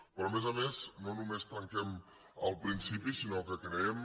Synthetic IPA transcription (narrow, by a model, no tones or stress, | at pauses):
pɾɔːmezəmeznonumest̪ɐŋkɛm | əlˠpɾinsipisinokəkɾeɛm